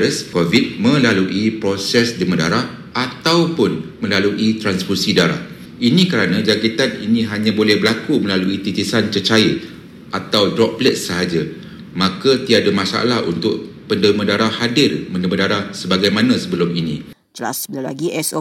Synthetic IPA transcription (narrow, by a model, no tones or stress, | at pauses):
əskovit̪̚mə̃laluʔipɾosɛsdəmə̃da̰ɾah | at̪awpʊnmə̃laluʔit̪ɾansfursidaɾa̰h | inĩkəɾanãd͡ʒakit̪anḭnĩɦaɲãbolɛhbəlakumə̃laluit̪it̪isant͡ʃət͡ʃai | ʔat̪awdɾɔp̚blət̪̚səɦad͡ʒa | mãkat̪iadamãsa̰lahṵnt̪ʊʔ̚pəndəmədaɾahhadɪrmə̃ndəmədaɾahsəbaɡajmãnãsəbəlʊminĩ | d͡ʒəla̰sbəlala̰ɡiɛs